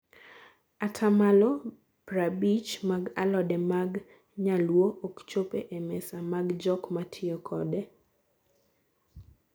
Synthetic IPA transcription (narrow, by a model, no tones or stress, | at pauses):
atʰamalɔ | b̥ɾabit͡ʃmaɡalɔdɛmaɡ | ɲalwoʔokt͡ʃopeʔemɛsamaɡd͡ʒɔkmatʰɪokʰɔde